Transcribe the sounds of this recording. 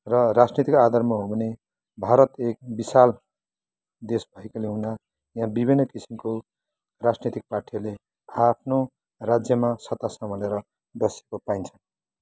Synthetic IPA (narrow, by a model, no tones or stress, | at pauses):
rʌrad͡znet̪ikad̪ʌrmaɦobʱʌne | bʱaɾʌt̪ek̚bisal | d̪esbʱʌekoleɦuna | jãbibʱinːʌkisimko | rad͡znet̪ik̚paʈʰijale | apʰno | rad͡zjʌmasʌt̪ːasʌmʌleɾʌ | d̪ʌsekopaint͡sʰʌn